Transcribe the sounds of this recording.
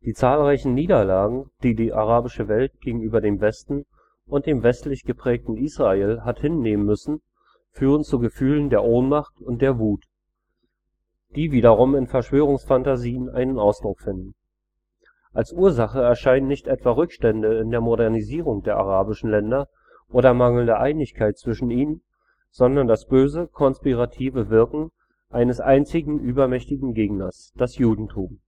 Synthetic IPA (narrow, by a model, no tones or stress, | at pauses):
d̥iːt͡saːlʁaɪçn̩niːdɐlaːɡŋ̩d̥iːdiːʔaʁaːbɪʃəvɛlt̚ɡ̥eːɡŋ̩yːbɐdeːmvɛstn̩ | ʔʊnt̚d̥eːmvɛstlɪçɡ̥əpʁ̥ɛːk̚tn̩iːsʁ̥aeːlɦathɪnːeːmənmʏsn̩ | fyːʁ̞ənt͡suɡəfyːləndeːɐʔoːnmaχtʊnt̚d̥eːɐvuːt | d̥iːviːdɐʁʊmɪnfɛɐʃv̥øːʁ̞ʊŋsfantaziːənʔa̰ɪnənaʊsd̥ʁʊkfɪndn̩ | ʔʔalsʔuːɐzaχəɛɐʃaɪnənːɪçtʔɛtv̥aːʁʏkʃtɛndəɪndeːɐmoɾɛɐniziːʁ̞ʊŋd̥eːɐʔa̰ʁ̞aːbɪʃn̩lɛndɐ | ʔoːɾɐmaŋl̩ndəʔaɪnɪçkʰaɪt̚t͡sv̥ɪʃn̩iːnən | z̥ɔndɐndasb̥øːzəkʰɔnspiʁatʰiːvəvɪɐkŋ̩ | ʔaɪnəsʔaɪnt͡sɪɡŋ̩ʔyːbɐmɛçtɪɡŋ̩ɡeːɡnɐs | d̥asjuːdn̩tʰuːm